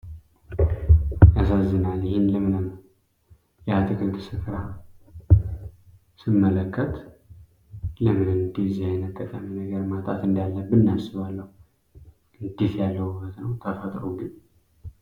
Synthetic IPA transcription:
jas̬azːɨnaljɪhɪnləmɨnɨm | jɛat̪ʰɨkʰɨnt̪ʰɨsɨfɾa | sɨmːələkʰːət̪ | ləmɨnɨd̪izajɛnət̪ʼːəkʼːəminəɡəɾmat̪ʼa̰t̪ɨnd̪alːəbɨnːasɨβalːəhu | ʔɨnd̪it̪jalːəhubːət̪nəwt̪ʰəfət̪ʼɾoɡɨɲ

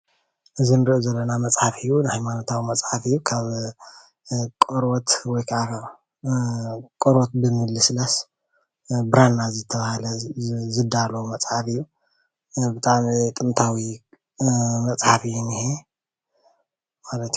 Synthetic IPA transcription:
ʔɨzinɨɾiʔozɐlːɐnamɐt͡sʼħafɨjːunɨhajmanot̪ʰawimɐt͡sʼħafɨjːukʰaβ | kʼoɾwot̪wɔjkʰaafa | kʼoɾot̪̚bɨmɨlːɨslas | bɨɾanːazɨt̪ʰːɐβahlɐzɨd̪alowmɐt͡sʼħafɨjːu | bɨt̪ʰʼaʕmit̪ʼɨmt̪ʰawi | mɐt͡sʼħafɨjːunihe | malɐt̪

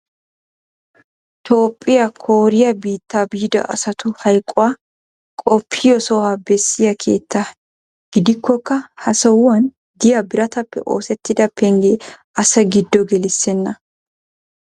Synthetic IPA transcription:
t̪o̞ːpʼːɪjɐkʰoːɾɪjɐbiːt̪ːaːbiːd̪ɐ̰ʔɐ̰sɐt̪ʊhɐjkʼːʊwaː | kʼɔpʰːɪjɔsɔwabɛsːɪjɐkʰe̞̰ːt̪ːa | ɡ̥ɪd̪ɪkːɔkːɐhɐsɐwʊwɐn | d̪ɪjɐbɪɾɐt̪ɐpːɛ̰ʔo̞̰ːsɛt̪ːɪd̪ɐpːɛŋɡeː | ɐsɐɡɪd̪ːɔɡɛlɪsːɛnːɐ

